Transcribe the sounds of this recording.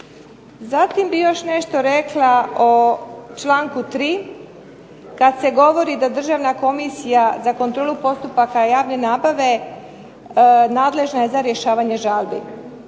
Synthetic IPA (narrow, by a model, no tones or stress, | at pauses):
zat̪imbijo̞ʃne̞ʃt̪o̞ɾeklˠaot͡ʃlaːŋkut̪ɾiː | kad̪se̞ɡo̞ʋo̞ɾid̪ad̪r̩ʒaːʋnako̞misijazakont̪ɾoːlupo̞st̪upakajaːʋne̞naːbaʋe̞ | naːd̪le̞ʒnaje̞zaɾje̞ʃaːʋaɲe̞ʒaːlbḭ